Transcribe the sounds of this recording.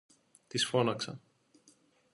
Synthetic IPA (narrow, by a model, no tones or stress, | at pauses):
t̪isfonɑksɑ̰